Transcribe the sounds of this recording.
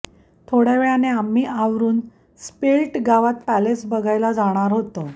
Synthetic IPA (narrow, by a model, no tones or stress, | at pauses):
t̪ʰoɽjaʋeɭaneamːiːʔaʋɾuːn | spelʈɡaʋat̪palet͡sbəɡʱajlad͡zaɽ̃aɾɦot̪ə